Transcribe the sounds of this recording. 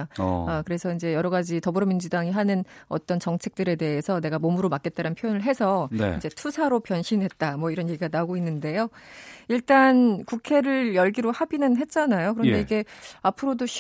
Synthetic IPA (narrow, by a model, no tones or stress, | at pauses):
akɯɾe̞sʰʌind͡ʑe̞jʌɾʌɡad͡ʑitʌbɯɾʌmind͡ʑudaŋiɦanɯn | ʌt͈ʌnt͡ɕʌŋt͡ɕʰe̞k̚t͈ɯɾe̞de̞ɦesʰʌne̞ɡamomuɾomak͈e̞t̚t͈aɾɯnpʰjojonɯɭɦe̞sʰʌn̰ind͡ʑe̞tʰusʰaɾopjʌnɕʰinɦe̞t̚t͈amwʌiɾʌnjeɡiɡanaɡoinːɯnde̞joiɭt͈ankukʰe̞ɾɯɭjʌɭɡiɾohabinɯnɦe̞t̚t͡ɕ͈anajokɯɾʌnnde̞iɡe̞apʰɯɾodoɕʰ